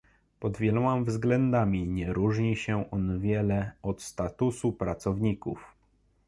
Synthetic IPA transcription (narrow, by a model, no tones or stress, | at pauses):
pɔd̪vʲjɛlɔmamvzɡlɛnd̪amʲiɲɛɾuʐɲiɕɛʔɔnvʲjɛlɛɔt̪st̪at̪usupɾat̪sɔvɲikuf